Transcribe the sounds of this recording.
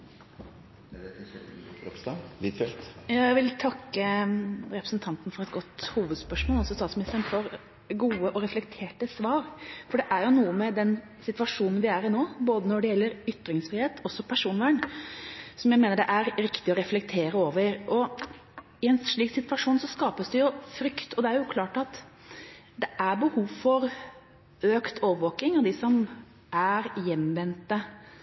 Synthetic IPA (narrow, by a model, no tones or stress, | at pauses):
fɛlt̪jɑːæʋɪlt̪ʰɑkːəɾɛpɾəsnt̪ʰɑnt̪nəfɔɾɛt̪ɡɔt̪ːhuːʋəd̪spœʂmoːlɔsɔst̪ɑːt̪smɪnɪst̪ənfɔɾ | ɡuːəʔɔɾɛflɛkt̪ʰeːʈəsʋɑːɾfɔɖɛʔæɾjʊnuːəmɛd̪ɛn | sɪt̪ʋɑʂuːnnʋɪæɾɪnoːboːd̪ənɔɖɛjɛlːəɾʏt̪ːɾɪŋsfɾɪheːt̪ʰɔsːɔpʰæʂuːnʋæːɳ | sɔmjæɪmeːnəɖɛʔæɾɾɪkt̪ɪɔɾɛflɛkt̪ʰeːɾəoːʋəɾʔɔ | ɪɛnʂɭiːksɪt̪ʋɑʂuːnsɔskɑːpəsd̪ɛjʊfɾʏkt̪ɔd̪ɛæɾjʊkʰlɑːʈɑt̪ | d̪ɛʔæɾbəhuːʋfɔɾ | øːkt̪ʰoːʋəɾʋoːkɪŋɑd̪ɪsɔm | ʔæɾjɛmːʋɛnt̪ːə